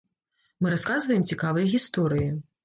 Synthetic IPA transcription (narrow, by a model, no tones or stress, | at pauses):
mɨɾaskazvɐjɛmt͡sʲikavɐjɐɣʲist̪ɔɾɨji